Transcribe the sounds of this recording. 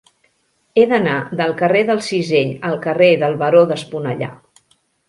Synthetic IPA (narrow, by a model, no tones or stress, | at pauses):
eðənaðəlˠkəreðəlˠsizeʎəlˠkəreðəlˠβəɾoðəspunəʎa̰